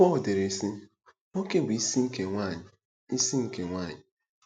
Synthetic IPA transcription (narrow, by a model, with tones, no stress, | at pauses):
ɔ˦˨de˨ɾe˨si˦ | no˦ke˦˨ɡʷi˨˦si˦ŋ̩˦ke˨ŋʷa˦˨ɲɪ˨ | i˦si˦ŋ̩˨ke˨ŋʷa˦˨ɲɪ˨